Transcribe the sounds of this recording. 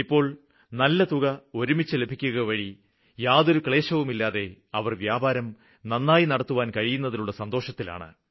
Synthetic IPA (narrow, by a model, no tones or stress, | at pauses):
ipːo̞ːɭ | nɐlːɐt̪uɣɐo̞ɾumit͡ɕːɨle̞bʱikʲːuɣɐʋɐɻi | jaːðo̞ɾukɭe̞ːɕɐʋumilːaːðe̞ɐʋɐrʋjaːbʱaːɾɐm | nɐnːaːjinɐɽɐt̪ːuʋaːnkɐɻijunːɐðiluɭːɐsɐnd̪o̞ːʂɐt̪ːila̰ːɳɨ̰